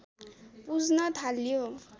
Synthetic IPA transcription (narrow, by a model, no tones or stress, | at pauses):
pud͡znʌt̪ʰaljo